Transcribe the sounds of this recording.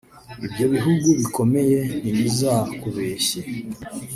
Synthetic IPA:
ibjo̞βiɦuɡuβiko̞me̞je̞niɲizakuβe̞ːɕe

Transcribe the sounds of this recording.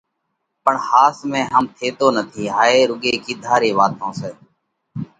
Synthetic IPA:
pəɳhaːsmẽːɦəmt̪ʰeːt̪oːnət̪ʰiːɦaːeːɾʊɠeːkɪd̪ʱaːɾeːʋaːt̪õːseː

